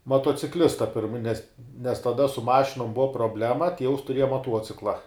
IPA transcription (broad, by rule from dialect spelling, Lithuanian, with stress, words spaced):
mɐtuɔt͡sʲɪˈklʲɪstɐ pʲɪrm nʲɛs nʲɛs tɐˈdɐ sʊ ˈmɑːʃʲɪnʊm ˈbʊʋɐ proːˈbʲlʲæːmɐ ˈtʲiɛʊs tʊˈrʲiɛjɛ mɐˈtuɔt͡sʲɪklˠɐ